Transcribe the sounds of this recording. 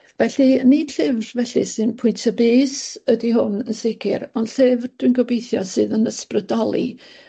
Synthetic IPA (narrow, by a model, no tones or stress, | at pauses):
vɛɬɨnid̥ɬɪvrvɛɬɨ̰sɨnpʰʊɨntʰaəbɨːsədiɦʊnənsɪɡʰɪ̰rɔndɬɨvd̥winɡɔbejθjɔ̰sɨːðənəsprədɔlˠḭ